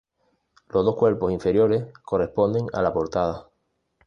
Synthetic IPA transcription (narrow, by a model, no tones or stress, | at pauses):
lozðo̞hkwe̞ɾpo̞siɱfe̞ɾjo̞ɾe̞hko̞re̞hpo̞nd̪e̞ŋa̰lapo̞ɾt̪að̞a